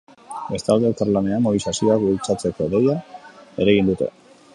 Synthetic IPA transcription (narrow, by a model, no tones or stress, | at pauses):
be̞st̪ald̪e̞k̪aɾlane̞amoβisasio̞ak̚bult͡sat͡se̞ko̞ðe̞jae̞ɾaɣind̪ut̪e̞̰